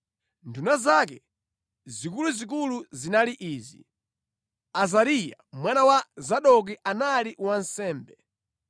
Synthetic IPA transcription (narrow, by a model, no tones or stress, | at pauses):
ndunazak̬ɛ | zikuluzik̬uluzinaliʔiːzḭ | azaɾija̰mwanawazaɗɔk̬iʔanaliwansɛːmbɛ